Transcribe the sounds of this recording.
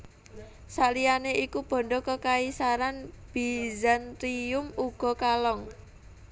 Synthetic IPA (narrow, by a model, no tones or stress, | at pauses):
saʔlijaneʔikub̥ɔ̤ɳɖɔkəkaisaɾanb̥izant̪ɾiʊmuɡ̥ɔ̤kalɔŋ